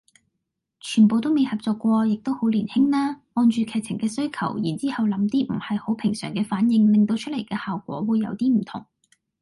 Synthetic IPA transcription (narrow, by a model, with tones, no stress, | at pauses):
t͡ʃʰyː˨˩npo˨˧wt̪o˥wme˨˧jhɐ˨p̚t͡sɔː˨kːʷɔː˧jɪ˨k̚t̪o˥who˨˥wliː˨˩nhɪ˥ŋlaː˥ŋɔː˧nt͡ʃyː˨kʰɛː˨˩t͡sʰɪ˨˩ŋkɛː˧sɵ˥ɥkʰɐ˨˩wjiː˨˩nt͡siː˥hɐ˨wlɐ˨˥mt̪iː˥m̩˨˩hɐ˨jho˨˥wpʰɪ˨˩ŋsœː˨˩ŋkɛː˧faː˨˥njɪ˧ŋlɪ˨ŋt̪o˧wt͡ʃʰɵ˥t̚le˨˩jkɛː˧haː˨wkʷɔ̰ː˨˥wuː˨˧jːɐ̰˧wt̪iː˥m̩˨˩t̪ʰʊ̰˨˩ŋ